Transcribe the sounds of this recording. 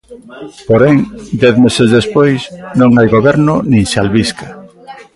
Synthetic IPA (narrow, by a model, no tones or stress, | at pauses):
poɾɛŋd̪ɛθmesezðespojsnõŋajɣoβɛɾnʊnĩŋsalβiska